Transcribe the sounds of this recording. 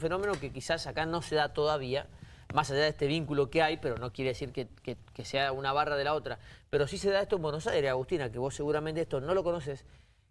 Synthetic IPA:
feno̞me̞no̞kekisasakano̞se̞ðat̪o̞ðaβia | masaʒaðest̪e̞β̞iŋkulo̞keajpe̞ɾo̞no̞kjeɾe̞ðesiɾkekekeseaunaβ̞arað̞e̞lao̞t̪ɾape̞ɾo̞sise̞ðaest̪oembweno̞sajɾeaɣust̪inakeβ̞o̞sːe̞ɣuɾament̪eet̪o̞no̞lo̞ko̞no̞ses

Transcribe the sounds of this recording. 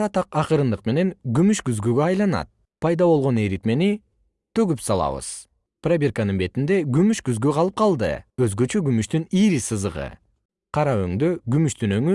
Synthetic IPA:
ɾɑt̪ɑqɑqɯɾɯnd̪ɯqme̞ne̞ŋɡymyʃɡyzɡyɡøɑjlˠɑnɑ̰t̪̚ | pʰɑjd̪ɑβo̞lˠʁo̞ne̞ɾit̪me̞ni | t̪ʰø̞ɡypsɑlˠɑ̰βɯ̰z̥ | prabʲerkanɯnbe̞t̪ind̪e̞ɡymyʃɡyzɡøqʰɑlˠɯp̚qʰɑlˠd̪ɯ̰øzɡø̞t͡ʃø̞ɡymyʃt̪yniɾisɯzɯʁɯ̰ | qʰɑɾɑø̰ŋd̪øɡymyʃt̪ynøŋy

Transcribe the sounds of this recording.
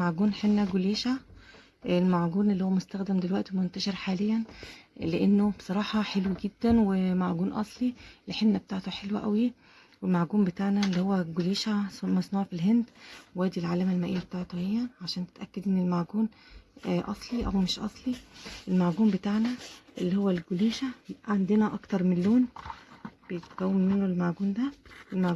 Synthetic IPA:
maʕɡuːnħenːæɡoliːʃa | elmaʕɡuːnʔelːihowːæmost̪æxd̪emd̪elwæʔt̪mont̪æʃeɾħaːlejːænleʔenːob̥e̥sˤɑɾˤɑːħɑħelwiɡed̪ːænwemaʕɡuːnʔɑ̰sˤlilħenːæb̚t̪aʕt̪uħelwæʔæwi | welmaʕɡuːmbet̪aːʕnælːihowːæɡoliːʃamɑsˤnuːʕfilɦend̪wæːd̪ilʕaːlæmælmæʔejːæbet̪aːʕt̪hejːæʕaʃæːnt̪e̥t̪ʔækːæd̪ʔenːelmaʕɡuːn | ʔɑsˤliʔæwmeʃʔɑsˤliʔelmaʕɡuːmbet̪aʕnæʔelːihowːælɡoliːʃæʕand̪enæʔɑkt̪ɑɾˤmenlloːn | b̥ejet̪kæwːemːenːolmaʕɡuːnd̪æʔelmaʕ

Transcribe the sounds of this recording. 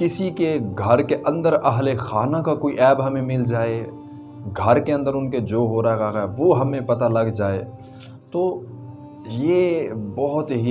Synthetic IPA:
kɪsikeɡʱɐɾkeʔɐ̃nd̪əɾɐɦlexaːnakakoːiʔɛːbɦɐmẽmɪld͡ʒaːe | ɡʱɐɾkeɐ̃nd̪əɾʊnked͡ʒoːɦoɾaɦaɦaɦɛʋoɦɐmẽpɐt̪alɐɡd͡ʒaːḛ | t̪oː | jeːbɔɦʊt̪ɦi

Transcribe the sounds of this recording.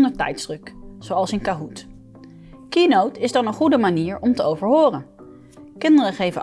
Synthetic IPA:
ndəɹtɛ̰jtz̥sd̥rɵkz̥owɑlˠsɪnkaɦut | kinowtɪzdɑnənχudəmaniːɹɔmtəowvəɹɦoːrən | kɪndərəχejvə̰

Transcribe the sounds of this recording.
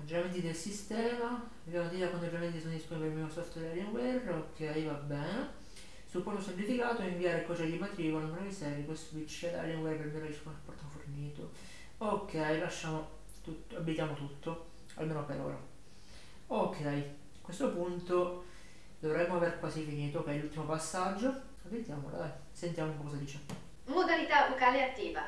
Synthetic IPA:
mad͡ʒːoɾament̪id̪elsist̪ɛːma | vjamot̪iːakwand̪ovjament̪isond̪isponipeɾilmiosɔft̪wɛɾalɛŋwɛrokʰːɛjvabːɛːne | sulpːɔrt̪osemplifikaːt̪oɛiɱviaːɾekont͡ʃɛjod̪imat̪ɾiːkolamɾoisɛɾikeswit͡ʃːed̪a̰ljɛŋɡwɛrpelmiɾiskonelpːɔrt̪oforniːt̪o | okʰːɛjlaʃːaːmo | t̪ut̪abːit̪jaːmot̪ut̪ʰːo | a̰lmeːnopeɾo̰ːɾa̰ | okʰːɛj | kwest̪opunt̪o | d̪ovɾɛmːoaverkwaːsifiniːt̪ookːɛjlult̪ːimopasːad͡ʒːo | abːit̪jaːmo̰la̰d̪ɛ | sent̪jamoumpkɔszad̪iːt͡ʃe | mod̪alit̪avokaːleat̪ːiːva

